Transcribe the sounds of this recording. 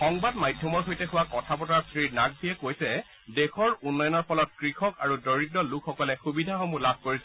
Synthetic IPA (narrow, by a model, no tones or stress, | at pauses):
xɔŋbadmajdʱjɔmɔɹxojtɛxʊwakɔtʰapɔtaɹsɹiɹnaɡ̚bʱiɛkojsɛ | dexɔɹunːɔjɔnɔɹpɔlɔt̚kɹixɔkaɹudɔɹiɡɹɔlukʰxɔkɔlɛxubidʱaxɔmulab̚ʱkoɹisɛ